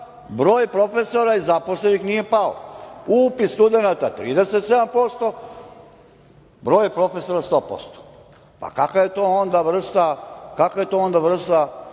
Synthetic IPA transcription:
bɾo̞ːjpɾo̞fe̞so̞ɾaizaposlenixnije̞pao̰upist̪ud̪e̞nat̪at̪ɾiːd̪eset̪se̞d̪ampo̞st̪o̞ | bɾo̞ːjpɾo̞fe̞soɾast̪oːpo̞̰st̪o̥ | pa̰kakaje̞t̪oond̪aʋr̩st̪akakaje̞t̪oːond̪aʋr̩st̪a

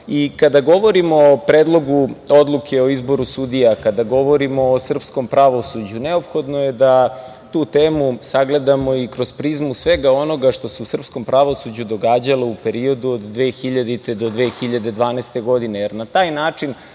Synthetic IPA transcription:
ikad̪aɡo̞ʋo̞ɾimopɾeːd̪lˠo̞ɡuo̞d̪lˠuke̞o̞izbo̞ɾusud̪ijakad̪aɡo̞ʋo̞ɾimo̞ːsr̩psko̞mpɾaʋo̞sud͡ʑuneo̞pxo̞d̪nojed̪a | t̪uːt̪eːmusaɡle̞d̪amo̞ikɾoz̥pɾizmusʋe̞ɡao̞no̞ɡaʂt̪o̞seusr̩psko̞mpɾaʋo̞sud͡ʑud̪o̞ɡaːd͡ʑaloupe̞ɾio̞d̪uod̪ːʋe̞ːxiʎad̪it̪ed̪o̞d̪ʋeːxiʎad̪e̞d̪ʋaːnest̪eɡo̞d̪ine̞jeɾnat̪aːjnaːt͡ʂin

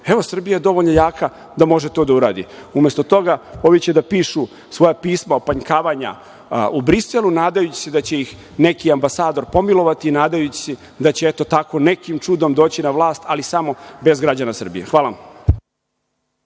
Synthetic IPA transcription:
e̞ʋo̞sr̩bijaje̞d̪o̞ʋo̞ʎnojaːka | d̪amo̞ʒet̪o̞ːd̪auɾaːd̪ḭumest̪o̞t̪o̞ɡao̞ʋjit͡ɕed̪apiːʃu | sʋo̞japiːsmaopaɲkaːʋaɲa̰ | ubɾiselunaːd̪ajut͡ɕi̥sed̪at͡ɕe̞jix | ne̞kiambasaːd̪o̞ɾpo̞milˠo̞ʋat̪iːnaːd̪ajut͡ɕi̥sɛ | d̪at͡ɕeet̪o̞t̪ako̞ne̞kimt͡ʂud̪o̞md̪o̞ːt͡ɕinaʋlˠaːst̪alisamo̞be̞zɡɾad͡ʑanasr̩bḭjḛxʋaːlam

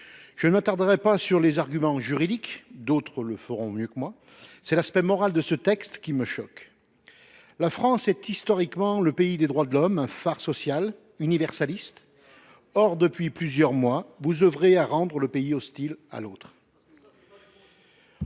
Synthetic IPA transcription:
ʒ̥ənəmat̪aʁd̪əʁɛpasyʁlezaʁɡʲymɑ̃ʒyʁid̪ikd̪ot̪χələfəʁɔ̃mjøkəmwa | sɛlaspɛmɔʁald̪əsət̪ɛkst̪kʲiməʃɔk | lafχɑ̃sɛt̪ist̪ɔʁikmɑ̃ləpeid̪ed̪ʁwad̪əlɔmɛ̃faʁsɔsjal | ynivɛʁsalist̪ | ɔʁd̪əpɥiplyzjœʁmwavuzøvʁeaʁɑ̃d̪ʁələpeiɔst̪ila̰lot̪χ

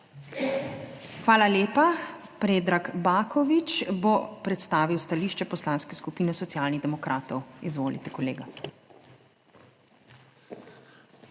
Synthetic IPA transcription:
xʋaːlaljeːpa | pɾeːd̪ɾaɡbaːkɔʋit͡ʃbopɾɛt̪st̪aːʋiwst̪aliːʃt͡ʃɛpɔslaːnskɛskupiːnɛsɔt̪sjaːlnid̪ɛmɔkɾʔaːt̪ɔwizʋoːlḭt̪ɛkɔlḛːɡa

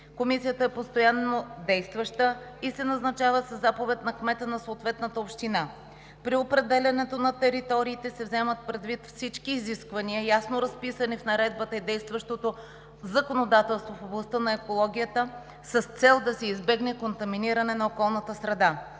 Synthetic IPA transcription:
komisijət̪əɛpost̪ojanːod̪ɛjst̪vɐʃt̪ə | isɛnɐznɐt͡ʃavəsəzːapovɛt̪nɐkmɛt̪ənɐsoːt̪vɛt̪nət̪əopʃt̪ina | pɾiopɾɛd̪ɛlʲɐnɛt̪onɐt̪ɛɾit̪ɔɾiːt̪ɛsɛvzɛmət̪̚pɾɛd̪vit̪fsit͡ʃkiːziskvɐniəjasnoɾɐspisənifnɐɾɛd̪bət̪əid̪ɛjst̪vɐʃt̪ot̪o | zɐkonod̪at̪ɛlˠst̪vofoblˠɐst̪ənɐɛkolˠɔɡ̟ʲijət̪ə | səst̪sɛlˠd̪ɐsɛizbɛɡnɛkont̪ɐminiɾɐnɛnɐokɔlˠnət̪əsɾɛd̪a

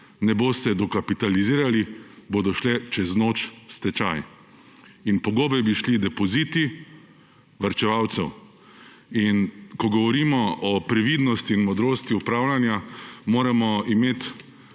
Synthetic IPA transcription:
nɛboːst̪ɛd̪ɔkapit̪aliziːɾaliboːd̪ɔʃlɛt͡ʃɛznoːt͡ʃst̪ɛt͡ʃa̰j | inpɔɡoːbɛbiʃlid̪ɛpɔziːt̪i | ʋaɾt͡ʃɛʋawt̪sɛw | inkɔɡɔʋɔɾiːmɔʔɔpɾɛʋiːd̪nɔst̪iːnmɔd̪ɾoːst̪iupɾaːwlanjamoːɾamɔimeːt̪

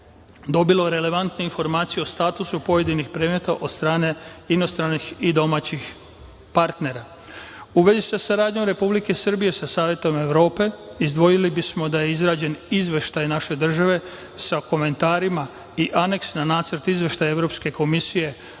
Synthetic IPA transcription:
d̪o̞bilo̞ɾe̞le̞ʋant̪nuinfo̞ɾmaːt̪sijeo̞st̪aːt̪usupo̞je̞d̪inixpɾeːmet̪aʔo̞d̪̥st̪ɾaːne̞inost̪ɾanixid̪o̞maːt͡ɕix | paɾt̪ne̞ɾa | uʋe̞zisasaɾaːd̪ɲo̞mɾe̞publike̞sr̩bije̞sasaːʋje̞t̪o̞me̞ʋɾo̞ːpe̞izd̪ʋo̞jilibismo̞d̪ajeizɾaːd͡ʑe̞nizʋe̞ʃt̪ajnaʃe̞d̪r̩ʒaʋe̞ | sako̞me̞nt̪aːɾima | iʔane̞ksnanaːt̪səɾt̪izʋe̞ʃt̪ajeʋɾo̞pske̞kʰo̞misije̞

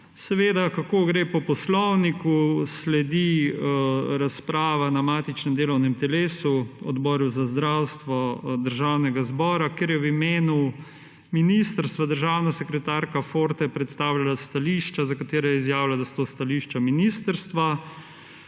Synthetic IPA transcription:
sɛʋeːd̪akakoɡɾeːpɔpɔslɔwnikuslɛd̪i | ɾaspɾaːʋanamaːt̪it͡ʃnɛmd̪eːlɔwnɛmt̪ɛleːsuɔd̪bɔːɾuzazd̪ɾawst̪ʋɔd̪əɾʒawnɛɡazbɔːɾakeːɾjɛwimeːnu | minist̪əɾst̪ʋad̪əɾʒaːwnasɛkɾɛt̪aɾkafoɾt̪ajɛpɾɛt̪st̪aːwlalast̪aliːʃt͡ʃazakat̪eːɾɛjɛizjaːwlad̪ast̪ost̪aliːʃt͡ʃaminiːst̪əɾst̪ʋa

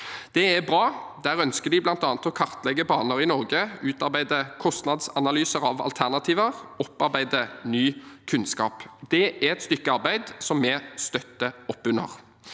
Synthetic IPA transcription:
d̪̥ɛæbʁɑːd̪æːʁœnskəd̪ɪblɑnt̪ɑːnət̪ɔkʰɑʁt̪lɛɡːəbɑːnəɾɪnɔʁɡəʉːt̪ɑʁɾbæɪd̪əkʰɔst̪nɑd̪sɑnɑlyːsəʁɑʋɑ̰lt̪ʰæʁnɑt̪ʰiːʋəʁɔpːɑʁbæɪd̪ənyːkʰʉnskɑ̰ːpd̪̥ɛʔæɾɛt̪st̪ʏkːəɑʁbæɪd̪sɔmːɛst̪œt̪ːəɔpːʉnːə̰ʁ

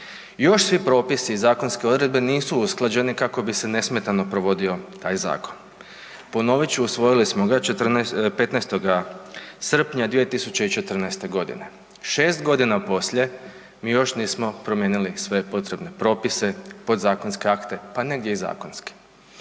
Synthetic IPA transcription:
jo̞ʃsʋipɾo̞ːpisiːzaːko̞nske̞o̞d̪ɾe̞d̪̚be̞niːsuusklˠad͡ʑe̞nikako̞bise̞ne̞sme̞t̪ano̞pɾo̞ʋo̞d̪io̞t̪aːjza̰ːkon | po̞no̞ʋit͡ʃuusʋo̞jilismo̞ɡat͡ʃet̪rnpe̞t̪nɛst̪o̞ɡasr̩pɲad̪ʋie̞t̪isut͡ʃeit͡ʃe̞t̪r̩nɛjst̪e̞ɡo̞d̪ḭne̞ | ʃeːst̪ɡo̞d̪inapo̞sʎe̞ | miːjo̞ʃniːsmo̞pɾomjeːnilisʋe̞po̞t̪ɾe̞bne̞pɾo̞ːpise̞po̞d̪zaːkonske̞akt̪e̞pane̞ɡd̪ʲje̞iza̰ːkonski̥

